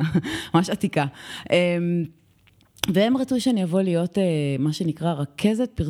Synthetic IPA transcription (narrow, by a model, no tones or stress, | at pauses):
mamaʃatikaʔem | vee̞mʁat͡suʃeanijavo̞lijo̞temaʃenikʁaʁakʰe̞zet̚piʁ